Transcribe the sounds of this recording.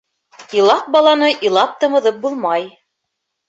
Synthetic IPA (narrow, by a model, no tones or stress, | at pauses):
ilˠɑq̚bɑlˠɑnɤʔilˠɑp̚t̪ɤ̆mɤ̆ðɤp̚bulˠmɑj